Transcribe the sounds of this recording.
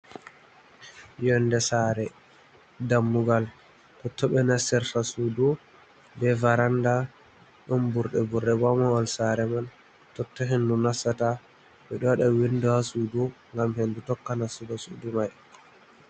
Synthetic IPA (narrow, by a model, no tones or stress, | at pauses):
jɔndɛsaɾɛ | damːuɡal | tɔtʰːɔɓɛnasɛɾtasudɔ | bɛvaɾanda | ɗɔmbuɾɗɛbuɾɗɛɡamaɔlsaɾɛman | tɔtːɔɦendunasːata | ɓɛɗɔwaɗawinduhasudu | ŋɡamhendutɔkːanasuɡasudumaj